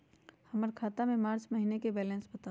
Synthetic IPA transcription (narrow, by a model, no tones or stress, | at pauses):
həməɾkʰaːt̪amẽmaːɾt͡ʃməɦinekebɛːlɛ̃nsbət̪a